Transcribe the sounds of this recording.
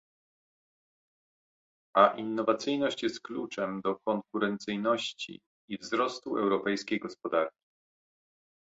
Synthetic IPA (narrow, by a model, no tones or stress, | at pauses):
aʔinːɔvat̪sɘjnɔɕt͡ɕjɛst̪̚klut͡ʂɛmd̪ɔkɔŋkuɾɛnt̪sɘjnɔɕt͡ɕḭː | vzɾɔst̪uʔɛwɾɔpɛjskʲejɡɔspɔd̪aɾkʲi̥